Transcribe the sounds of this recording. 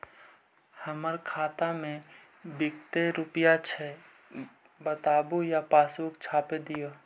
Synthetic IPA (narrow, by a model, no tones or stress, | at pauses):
həməɾkʰaːt̪amẽ | bɪkt̪eɾʊpijat͡ʃʰɛ | bət̪aːbujapaːsuːkt͡ʃʰaːped̪ijo